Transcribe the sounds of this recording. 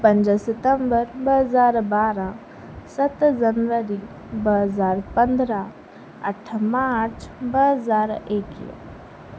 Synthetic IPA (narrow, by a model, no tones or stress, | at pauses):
pə̃ɲd͡ʒəsɪt̪əmbəɾbəɦəzaːɾbaːɾã | sət̪d͡ʒənʋəɾi | bəɦəzaːɾpə̃nd̪ɾa | əʈʰmaːɾt͡ʃʰbəɦəzaːɾeːkḭ